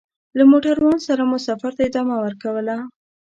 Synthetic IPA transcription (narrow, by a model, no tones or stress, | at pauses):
lamoʈaɾwɑnsaɾamʊsɑfaɾt̪aɪd̪ɑmawəɾkawəla